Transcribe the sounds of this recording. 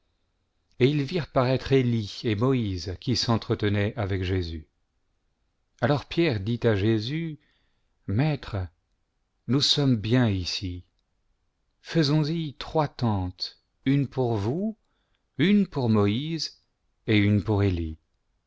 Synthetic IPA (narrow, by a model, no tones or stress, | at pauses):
eilviʁpaʁɛt̪χeliemɔizkʲisɑ̃t̪χət̪ənɛʔavɛkʒezy | alɔʁpjɛʁd̪it̪aʒezy | mɛt̪χ | nusɔmbjɛ̃isi | fəzɔ̃zit̪χwat̪ɑ̃t̪ | ynpuʁvu | ynpuʁmɔiz | eynpuʁeli